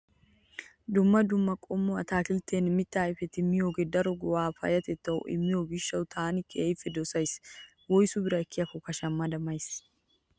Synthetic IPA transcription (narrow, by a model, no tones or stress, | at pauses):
d̪ʊmːɐd̪ʊmːɐkʼɔmːʊɐt̪aːkɪlt̪eːnmɪt̪ːaːɪfɛt̪ɪmːɪjoːɡed̪ɐɾɔɡɔwaːfɐ̰jɐt̪ɛt̪ːɐw̰ʔɪ̰mːɪjoːɡɪʃːɐwt̪ʰaːnɪkːɛejfːɛd̪ɔsɐjs | wɔjsʊbɪɾɐɛkːɪjɐkːɔkɐʃɐmːɐd̪ɐmɐjs